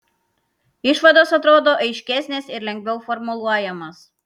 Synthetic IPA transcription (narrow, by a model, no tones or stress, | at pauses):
ɪʃʋɐd̪oːsɐt̪ɾoːd̪oːʔɐɪʃʲkʲɛsʲnʲesɪɾlʲɛŋʲɡʲʋʲɛʊfɔɾmʊlˠuɔjɛmɐs